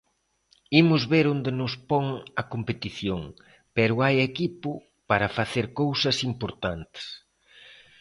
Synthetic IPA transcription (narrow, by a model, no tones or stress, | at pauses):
imʊzβeɾond̪enʊspoŋɐkompet̪iθjoŋ | pɛɾʊajekipʊ | paɾɐfaθeɾkowsɐsimpoɾt̪ant̪ɪ̥s